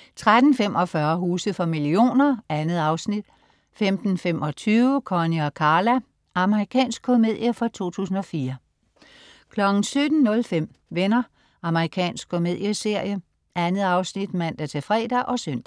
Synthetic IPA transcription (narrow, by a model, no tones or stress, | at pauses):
t͡sʰʁad̥n̩fem̰ʔɒ̽fɶɐɦuːsð̩ˠfɒ̽milio̝̰ːnɐænð̩ˠɑ̈ʊsnid̥ | femd̥n̩femʔɒ̽t͡sʰyːʊəkʰɒniɒkʰɑ̈ːlæ | ʔɑ̈məʁikʰɛ̰ːnsɡ̥̚kʰo̝me̝ð̰ˠjəfɒ̽t͡sʰo̝̰ːt͡sʰṵːsn̩ɒ̽fiːɐ | kʰlɒ̽ɡ̥n̩sød̥n̩nːɔ̽lfem̰ | ʋenɐ | ɑ̈məʁikʰɛ̰ːnsɡ̥̚kʰo̝me̝ð̞̰ˠjəse̝ɐ̰jə | ʔænð̩ˠɑ̈ʊsnid̥mæn̰d̥æt͡sʰe̝fʁɛ̰ːd̥æʔɒ̽søn̰d̥æ